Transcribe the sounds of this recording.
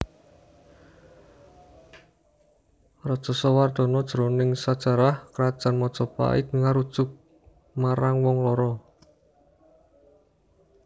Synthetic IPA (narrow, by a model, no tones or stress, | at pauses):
rɔd̥ʒ̥ɔ̤sɔward̪̥ɔ̤nɔd̥ʒ̥ɾonɪŋsad̥ʒ̥a̤ɾahkɾad̥ʒ̥a̤nmɔd̥ʒ̥ɔpa̰ḭd̪əŋaɾud̥ʒ̥ʊk̚ | maɾaŋwɔŋlɔɾɔ